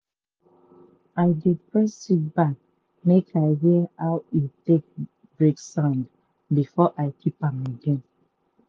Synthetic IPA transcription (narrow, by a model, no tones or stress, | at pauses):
aɪdepɹɛstibak̚ | mekʰaɪɦiəawitek̚ | bɹeksãnd | bifɔʔaɪkʰipãməɡẽn